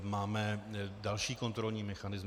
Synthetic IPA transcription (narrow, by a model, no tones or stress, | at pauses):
maːmɛdalʃiːko̞nt̪ɾo̞lɲiːmɛxanɪz